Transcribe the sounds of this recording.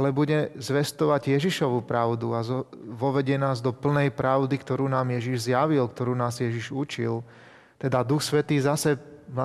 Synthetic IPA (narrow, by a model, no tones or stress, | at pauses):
alɛbuɟɛzʋɛst̪ɔʋaɟjɛʒiʃɔʋupɾaʊd̪uazɔʋɔʋɛɟɪɛnaːzd̪ɔpl̩nɛjpɾaʊd̪ikt̪ɔɾuːnaːmjɛʒiʒzjaʋilkt̪ɔɾuːnaːzjɛʒiʒut͡ʃil | t̪ɛd̪ad̪uxsʋɛt̪iːzasɛa